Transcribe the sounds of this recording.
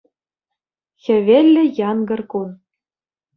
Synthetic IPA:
xʲɘ̆βʲelʲːɘ̆jɑnɡɤ̆rkun

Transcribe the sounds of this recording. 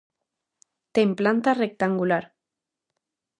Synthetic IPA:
t̪emplant̪arek̚t̪aŋɡulaɾ

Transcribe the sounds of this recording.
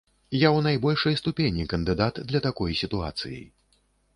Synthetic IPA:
jawnajbɔlʲʂɐjst̪upʲenʲikɐnd̪ɨd̪at̪d̪lʲɐt̪akɔjsʲit̪ua̰t̪sɨ̰jḭj

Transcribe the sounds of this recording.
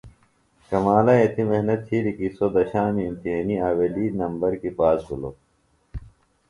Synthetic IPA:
kɐmaːlɐet̪ʰimehnɐt̪ʰiɾikisod̪ɐɕaːmiːmt̪iɦeːniaːweliːnɐmbɐɾkipaːsbulo̰

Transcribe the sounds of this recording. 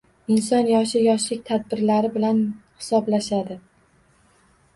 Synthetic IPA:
ɪnsɒnjɒʃɪjɒʃlɪk̚ʲt̪ʰad̪̚bɪɾlaɾɪbɪlanhɪ̥sɒblaʃad̪ɪ

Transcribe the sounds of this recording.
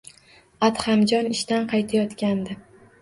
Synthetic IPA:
at̪hamd͡ʒɒnɪʃt̪anqʰɑjt̪ʰajɒt̪kʲand̪ɪ

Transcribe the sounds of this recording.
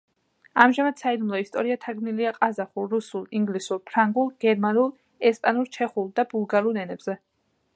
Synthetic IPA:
amʒamad̪̥said̪umlˠɔist̪ʼɔɾiat̪ʰaɡmniliaqʼazaχulɾusulˠiŋɡlisuɾpʰɾaŋɡulˠɡ̥ɛɾmanulˠ | ɛspʼanuɾt͡ʃʰɛχulˠd̪abulˠɡaɾulˠɛnɛbz̥ɛ

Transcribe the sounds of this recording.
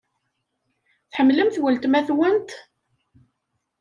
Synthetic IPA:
θħəmːləmθwəlt̪mæθwənt̪

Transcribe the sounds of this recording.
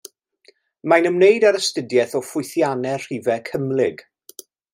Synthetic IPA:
majnəmnejdaɾəstədjɛθɔfʊɨθjanɛr̥ivɛkʰəmlɪɡ̥

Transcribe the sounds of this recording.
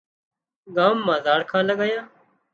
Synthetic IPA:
ɡaːmːãːzaːɽkʰãːləɠajãː

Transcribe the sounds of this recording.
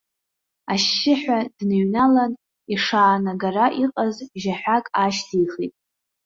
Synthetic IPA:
aʃːɪħʷᶣadnɨɥnalan | iʂaːnaɡaraʔiqʼazʒaħʷᶣakʼaʃdʰijχitʼ

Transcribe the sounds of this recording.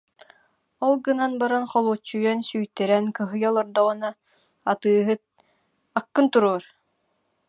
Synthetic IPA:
ɔlˠɡɯnanbaɾanχɔlˠuːt͡ɕːujɛnsyːjt̪ɛɾɛnkɯɦɯjɔlˠɔɾd̪ɔʁɯnaː | t̪ɯːɦɯt̪ | akːɯnt̪uɾuːɔɾ

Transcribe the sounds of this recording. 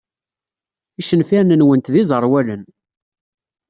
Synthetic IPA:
iʃənfinənwənt̪ðizˤəɾˤwælən

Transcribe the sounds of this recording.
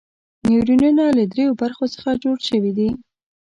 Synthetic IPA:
newɾinunaləd̪ɾejobaɾxosə̥xad͡ʒoɽʃəwid̪i

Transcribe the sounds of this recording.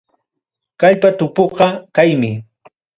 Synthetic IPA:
kaʎpat̪ʊpoqɑkajmɪ

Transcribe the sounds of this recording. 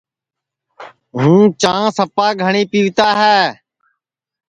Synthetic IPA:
ɦũːt͡ʃãːsəpaːɡʱəɳiːpiːʋt̪aːɦɛː

